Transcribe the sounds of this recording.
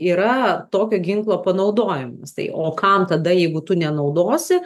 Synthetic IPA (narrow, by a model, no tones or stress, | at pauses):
iːɾɐt̪oːkʲoːɡʲɪŋklˠoːpɐnɐʊd̪oːjɪmɐst̪ɐ̰ɪʔoːkɐmt̪ɐd̪ɐjɛɪɡʊt̪ʊnʲɛnɒʊd̪oːsʲɪ